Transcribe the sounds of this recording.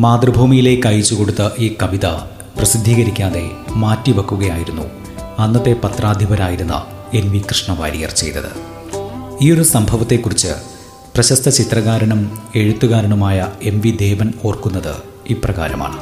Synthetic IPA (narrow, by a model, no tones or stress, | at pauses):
maːd̪rɨbʱuːmijile̞ːkːɐjit͡ɕːuko̞ɽut̪ːɐʔiːkɐʋiðɐ | prɐsid̪ʱːiːɣɐɾikʲːaːðe̞maːtːiʋɐkːuɣɐjaːjiɾunːṵ | ɐnːɐt̪ːe̞pɐt̪raːd̪ʱibɐɾaːjiɾunːɐ̰ | e̞nʋikrɨʂɳɐʋa̰ːɾijɐ̰rt͡ɕe̞̰jt̪ːɐ̰ðɨ̰ | iːo̞ɾusɐmbʱɐʋɐt̪ːe̞kːurit͡ɕːɨ̰ | prɐɕɐst̪ʰɐt͡ɕit̪rɐɣaːɾɐɳɐme̞ɻut̪ːuɣaːɾɐɳumaːjɐe̞nʋid̪e̞ːʋɐno̞ːrkunːɐðɨ̰ | iːprɐɣa̰ːɾɐma̰ːɳɨ